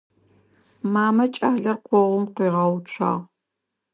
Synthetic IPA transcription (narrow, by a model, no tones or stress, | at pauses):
maːmɐt͡ʃʼaːɮɐrqʷɔʁʷʊmqiːʁɐwt͡ʃʷʰɑ̰ːʁ